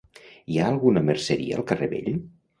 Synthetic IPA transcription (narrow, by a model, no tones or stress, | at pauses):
iaəlˠɣunəməɾsəɾḭə̰ːlˠkəreβḛʎ